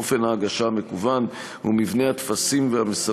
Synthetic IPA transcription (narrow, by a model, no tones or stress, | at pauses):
ofe̞nhaːɡaʃame̞kuvan | hṵmivne̞hat̪fasimvehamesa